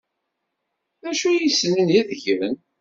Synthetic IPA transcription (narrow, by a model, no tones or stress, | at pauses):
ðæʃujisːnənjæðəʝɾən